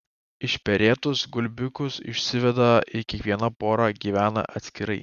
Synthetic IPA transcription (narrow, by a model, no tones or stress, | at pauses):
ɪʃʲpʲɛɾʲeːt̪ʊsɡʊlʲbʲʊkʊsɪ̰ʃʲsʲɪʋʲɛd̪ɐɪkʲiɛkʋʲiɛnɐpoːɾɐɡʲiːʋʲæːnɐ̰ʔɐt̪ʲsʲkʲɪɾɐɪ